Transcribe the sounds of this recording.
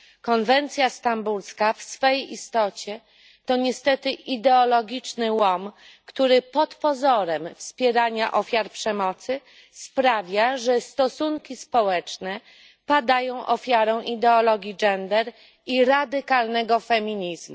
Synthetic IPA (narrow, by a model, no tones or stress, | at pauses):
kɔnvɛnt̪sʲjast̪ambulskafsfɛjejʔist̪ɔt͡ɕɛ | t̪ɔɲɛst̪ɛt̪ɘʔid̪ɛɔlɔɡʲit͡ʂnɘwɔm | kt̪uɾɘpɔt̪pɔzɔɾɛmfspʲjɛɾaɲaʔɔfʲjaɾpʂɛmɔt̪sɘ | spɾavʲjaʐɛst̪ɔsuŋkʲispɔwɛt͡ʂnɛ | pad̪ajɔ̃w̃ʔɔfʲjaɾɔ̃w̃ʔid̪ɛɔlɔɡʲiɡɛnd̪ɛɾ | iɾad̪ɘkalnɛɡɔfɛmʲiɲizmu